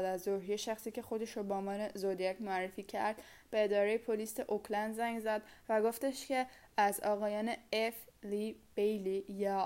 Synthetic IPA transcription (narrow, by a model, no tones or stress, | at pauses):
d̪æzd̪oɾɦijeʃæxsiːcʰe̞xo̞d̪e̞ʃoboːmɒːnezod̪ijæcʰmoærːefiːcʰæ̰ɾd̪̥ | b̥e̞ːd̪ɒːɾejepʰoliːseʔokʰlænd̪zæŋɡzæd̪væɡo̞ft̪e̞ʃt̪cʰe̞ | æzɒːɣɒːjɒːneeflib̥ejlijɒː